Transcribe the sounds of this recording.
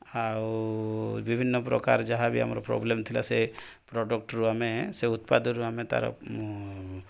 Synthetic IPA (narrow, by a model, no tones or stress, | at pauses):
aw | bibʱinːɔpɾɔ̰ka̰ɾd͡ʒaɦabia̰mɾɔpɾɔ̰blemt̪ʰilase | pɾɔɖɔk̚ʈɾuameseut̪pad̪ɔɾuamet̪a̰ɾɔ̰